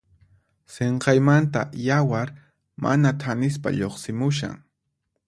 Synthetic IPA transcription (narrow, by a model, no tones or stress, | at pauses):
seɴqɑjmant̪a̰jawaɾ | mʔa̰nat̪ʰanɪs̬pa̰ʎoχsɪmʊʃa̰ŋ